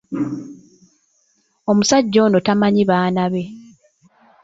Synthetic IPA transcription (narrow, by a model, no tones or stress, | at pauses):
o̞musaɟːo̞ːnotamaɲiβaːnaβe̞